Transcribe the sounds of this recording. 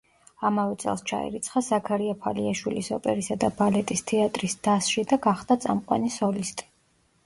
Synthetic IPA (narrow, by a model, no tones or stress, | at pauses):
amavɛt̪sʼɛ̰lˠst͡ʃʰa̰ɛ̰ɾit̪sʰχazakʰaɾiapʰaliaʃwilisɔpʼɛɾisad̪abalɛt̪ʼist̪ʰɛat̪ʼɾisd̪asʃid̪aɡaχd̪at̪sʼa̰mqʼwa̰nisɔlist̪ʼi̥